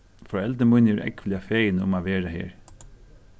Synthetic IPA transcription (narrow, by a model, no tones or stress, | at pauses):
fɔɛlt̪əmʊnɛɾʔɛ̰kʋlɪafeːjnʊ̰maːʋeːɾahḛːɹ